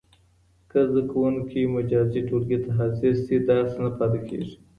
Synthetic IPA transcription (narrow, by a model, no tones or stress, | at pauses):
kəzd̪akawunkʰimʊd͡ʒɑziʈolɡet̪aɦasɪɾsid̪ɑsnapɑt̪ekʰḛʐi̥